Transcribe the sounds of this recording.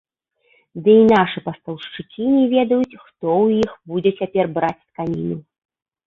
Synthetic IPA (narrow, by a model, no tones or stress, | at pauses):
d̪ɨinaʂɨpɐst̪ɐwʂt͡ʂɨkʲinʲɛvʲɛd̪ɐjut͡sʲxt̪ɔwjixbud͡zʲɛt͡sʲapʲɛrbɾat͡sʲt̪kanʲinu